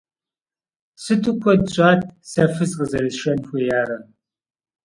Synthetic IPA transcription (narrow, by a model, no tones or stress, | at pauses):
sɨtʰʼɨkʷʰɔdɕʷʼaːt̚ʰʼsɐfɨzqəzɐɾɨʃɐnxʷeːjaːɾɐ